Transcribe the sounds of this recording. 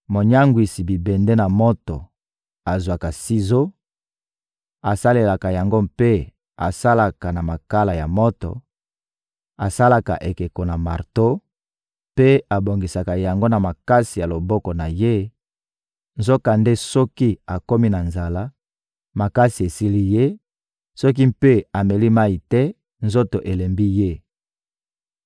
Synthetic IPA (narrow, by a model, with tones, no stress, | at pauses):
mo˨ɲa˦ŋɡwi˨si˨bi˨bɛ˨nde˦na˨mo˦tɔ̰˨ | a˨zwa˨ka˨si˦zo˦ | a˨sa˦le˨la˨ka˨ja˨ŋɡo˦pe˦ | a˨sa˦la˨ka˨na˨ma˨ka˦la˨ja˨mɔ˦tɔ̰˨ | a˨sa˦la˨ka̰˨ʔe˨ke˨ko˨na˨ma˨ʁto˦ | pe˦a˨bo˨ŋɡi˨sa˨ka˨ja˨ŋɡo˦na˨ma˨ka˦si˨ja˨lo˨bɔ˦kɔ˨na˨je˦ | nzo˦ka˨nde˦sɔ˦ki˦a˨ko˦mi˦na˨nza˨la˦ | ma˨ka˦si˨e˨si˦li˦je˦ | sɔ˦k̬i˦mpe˦a˨me˨li˦ma˦i˨tɛ˦ | nzo˦to˨ʔe˨le˨mbi˦je˦